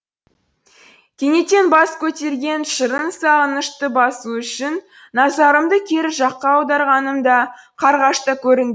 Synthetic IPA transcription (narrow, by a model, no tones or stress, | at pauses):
kʲʰe̞ŋe̞t̪e̞nbɑskʲʰɵt̪e̞ɾɡʲe̞nʃəɾənsɑʁənəʃt̪əbɑsuʏʃɪnː | ɑzɑɾəmd̪əkʲʰe̞ɾɪʒɑqːɑːwd̪ɑɾʁɑnəmd̪ɑqʰɑɾʁɑʃt̪əkʲʰɵɾɪŋɡ̪ʲe